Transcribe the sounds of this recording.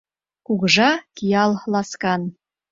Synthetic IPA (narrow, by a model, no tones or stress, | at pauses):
kukʒɑkijɑlˠlɑskɑn